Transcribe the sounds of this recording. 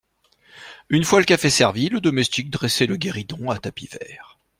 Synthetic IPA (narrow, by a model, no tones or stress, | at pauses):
ynfwaləkafesɛʁviləd̪ɔmɛst̪ik̚d̪ʁɛsɛləɡʲeʁid̪ɔ̃at̪apivɛ̰ːʁ